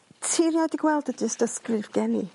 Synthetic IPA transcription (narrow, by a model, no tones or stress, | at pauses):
tʰɪrjɔdiɡwɛlˠdədəsd̥əskrɨvɡɛnḭ